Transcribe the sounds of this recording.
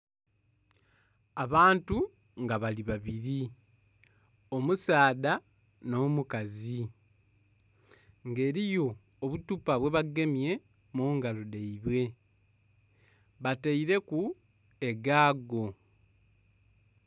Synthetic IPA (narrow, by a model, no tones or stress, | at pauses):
aβaːntu | ŋɡaβaliβaβiɾi | o̞musaːða | no̞ːmukazi | ŋɡe̞ːɾijo̞ː | βutupaβwe̞βaɡe̞mje̞ | muːŋɡalodeiβwe̞ | βateiɾe̞ku | e̞ɡaːɡo̞